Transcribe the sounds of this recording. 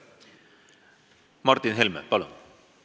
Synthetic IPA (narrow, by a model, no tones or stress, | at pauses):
mɑrt̪ːinɦelmḛpɑlṵn